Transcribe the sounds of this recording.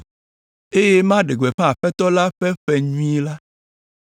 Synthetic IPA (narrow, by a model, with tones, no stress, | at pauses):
e˦je˦mã˦ɖe˨ɡ͡be˨ɸẽ˦a˨ɸɛ˦t̪ɔ˦la˦ɸɛ˦ɸɛ˦ɲũ˦i˦la˦